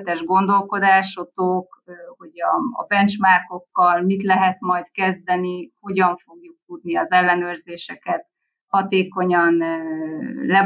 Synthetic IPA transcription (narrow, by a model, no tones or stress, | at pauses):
t̪ɛʒɡo̞nd̪o̞lko̞d̪aːʃot̪okho̞ɟɒ̰ːbɛnt͡ʃmaːrko̞kːɒlmit̪lɛɦɛt̪mɒjt̪kɛzd̪ɛniho̞ɟɒɱfo̞ɡjuk̚t̪ud̪niɒzɛlːɛnøːrzeːʃɛkɛt̪ | hɒt̪eːko̞ɲɒn | lɛ